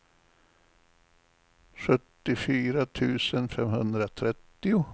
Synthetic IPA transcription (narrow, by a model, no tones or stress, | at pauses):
ɧɵt̪ːɪfyːɾat̪ʰʉ̟ːsənfɛmhɵnd̪ɾat̪ʰɾɛt̪ːɪʊ